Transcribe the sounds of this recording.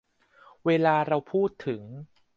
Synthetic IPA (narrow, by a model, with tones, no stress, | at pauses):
weː˧laː˧ɾa˧wpʰuː˥˩t̪ʰːɯ˩˦ŋ